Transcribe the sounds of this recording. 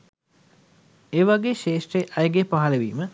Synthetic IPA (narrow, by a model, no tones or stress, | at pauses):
eːʋaɡeːʃeːʂreʔɐjɡepaɦaleʋiːmə